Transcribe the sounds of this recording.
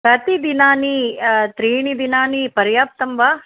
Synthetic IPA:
pɾɐt̪id̪inaːnit̪ɾiːɳid̪inaːnipɐɾjaːp̚t̪ɐmʋaː

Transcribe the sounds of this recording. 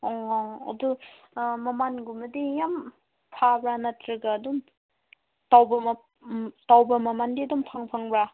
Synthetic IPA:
ɔɐ̰du | mɐmanɡumɐdijam | pʰabɾanatɾiɡaːdɔm | tawbɐ | tawbɐmɐmandiɐdumpʰaŋpʰaŋbɾa

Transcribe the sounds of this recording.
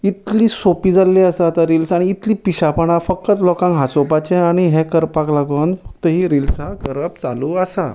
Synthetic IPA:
it̪liːsopiːd͡zalːiasat̪aɾilsaɽ̃iːt̪liːpiɕapəɽafəkːət͡slɔkãŋɡɦasopat͡ɕeaɽ̃iɦẽkəɾpaklaɡənfəkt̪əɦiːɾilsaɡəɾəb̚t͡sa̰luːəsa̰

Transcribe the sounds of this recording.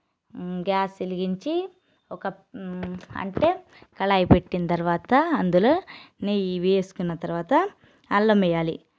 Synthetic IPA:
ɡaːsiliɡiɲt͡ʃi | ɔkɐ | ɐ̰ɳʈe̞ː | kɐlaːjipeʈːinɐt̪ɐɾuʋaːt̪ɐɐnd̪uloːneiːʋeːesu̥kunːɐt̪ɐɾʋaːt̪ɐ | ɐlːɐmɛjaːlḭ

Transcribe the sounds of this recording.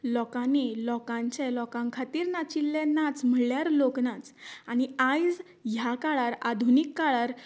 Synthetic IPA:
lɔkanelɔkãɲt͡ɕɛlɔkãŋkʰat̪iːɾnat͡ɕilːɛ̃nat͡sm̤əɭjaɾloknat͡sañiajd͡z | ɦjakaɭaɾad̪ʱunikːaɭaɾ

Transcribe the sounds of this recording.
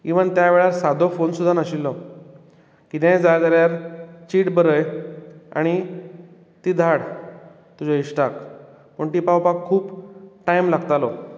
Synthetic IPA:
kiʋənt̪jaʋeɭaɾsad̪ʱofonsud̪ʱːanaɕilːɔ | kit̪jãd͡zajd̪aɾjaɾt͡ɕiːʈbəɾəja̰ɽ̃i | t̪iːd̪ʱaɽ | t̪ud͡ʑɔiɕʈak | pəɳʈipawpakʰːuːpʈajmlaɡt̪alɔ

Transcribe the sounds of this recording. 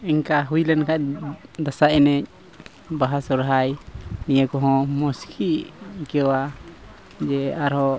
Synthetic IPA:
ɛɲkaɦujlɛnkac̚d̪asaʔɛnɛc̚ | baɦasɔɾɦajnijəkɔɦɔ̃mɔskʰikɛwa | d͡ʒɛaɾɦɔ

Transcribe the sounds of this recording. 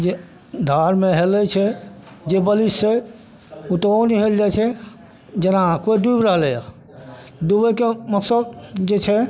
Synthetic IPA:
d͡ʒe | d̪ʱaɾmeɦelɛt͡ʃʰɛ | d͡ʒebəlisːe | ut̪oniɦeld͡ʒat͡ʃʰɛ | d͡ʒenakoid̪uibɾəɦlɛja | d̪ubəkeməksəbd͡ʒet͡ʃʰɛ

